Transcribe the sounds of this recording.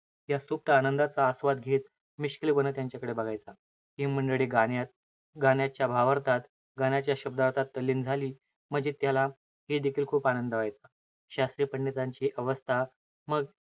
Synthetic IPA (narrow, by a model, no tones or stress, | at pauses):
ɦjasup̚t̪əːnənd̪at͡saːsʋad̪ɡʱet̪ | miɕklibənət̪jaɲt͡ɕjakəɽebəɡʱajt͡sa | ɦiməɳɖəɭiɡajat̪̚ | ɡanjat͡ɕjabʱaʋəɾt̪at̪ | ɡanjat͡ɕjaɕəb̚d̪aɾt̪at̪ːəlːiːnd͡zʱaliː | m̤əd͡ʑet̪jala | ɦed̪ekʰiːlkʰuːpanənd̪əʋajt͡sa | ɕast̪ɾiːpəɳɖit̪aɲt͡ɕiʔəʋəst̪ʰa | məɡ